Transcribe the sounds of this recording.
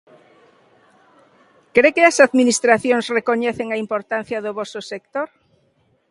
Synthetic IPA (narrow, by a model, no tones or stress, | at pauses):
kɾekɪɐsaðminist̪ɾaθjoŋsrekoɲɛθeŋaimpoɾt̪an̟θjɐðʊβɔsʊsek̚t̪oɾ